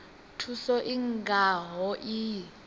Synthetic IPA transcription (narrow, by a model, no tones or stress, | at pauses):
tʰusɔʔiŋɡʱaɦɔʔi